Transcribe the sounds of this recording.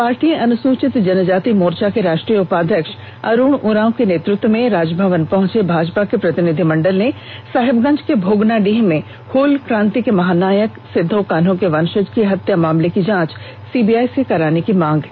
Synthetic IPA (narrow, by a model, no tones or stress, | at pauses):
paːɾʈijẽʔɐnʊsuːt͡ʃɪt̪d͡ʒɐnd͡ʒaːt̪imoːɾt͡ʃakeɾaːʃʈɾijəʊpaːd̪ʱjəkʃ | ɐ̰ɾuːɽ̃ʊɾãːõkeneːt̪ɾɪk̚t̪wəmẽɾaːd͡ʒbʱəʋənpɐɦʊ̃t͡ʃebʱaːd͡ʒpakepɾɐt̪ɪnɪd̪ʱimɐ̃ɳɖəlnẽ | saːɦɪbɡɐ̃ɲd͡ʒkebʱoːɡnaɖiːɦmẽ | hoːlkɾãːnt̪ikemɐɦaːnaːjəksɪd̪ʱːokan̤õkeʋɐnʃəd͡ʒkeɦɐt̪jamaːmlekid͡ʒãːt͡ʃ | siːbiːaːjsekɐɾaːnekimãːŋɡ